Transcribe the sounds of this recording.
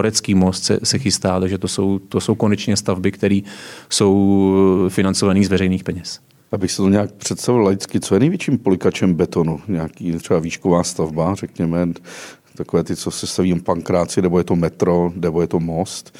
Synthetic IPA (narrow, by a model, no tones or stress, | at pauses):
oɾɛt͡skiːmo̞st̪sɛ̰sɛxɪst̪aːlɛʒɛt̪oso̞wt̪oso̞wko̞nɛt͡ʃɲɛst̪avbɪkt̪ɛɾiːso̞w | fɪnant͡sovaniːzvɛɾɛjniːxpɛɲɛs | ʔabɪxsɪt̪oɲɛaːk̚pr̝̥ɛt̪st̪avɪlaɪt͡skɪtt͡so̞jɛnɛjvjɛt͡ʃiːmpolɪkat͡ʃɛmbɛt̪o̞nuɲaakiːt̪r̥ɛbaviːʃkovaːst̪avbarɛkɲɛmɛ | t̪akovɛːt̪ɪt͡sosɛst̪aviːpaŋkɾaːt͡sɪnɛbojɛt̪omɛt̪ɾo̞nɛbojɛt̪omost̪